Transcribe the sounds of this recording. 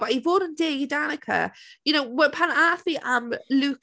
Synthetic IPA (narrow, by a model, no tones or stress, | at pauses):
waivoːdəndeːɡidanəkʰə̰jʊnowwəpʰanaːθiʔamluː